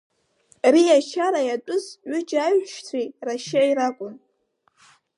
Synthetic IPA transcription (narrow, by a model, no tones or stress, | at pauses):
rijat͡ʃʰaɾajatʷʼʊzɥʷʊd͡ʒaɥʃt͡sʷʰijraʃaajɾakʷʼʊn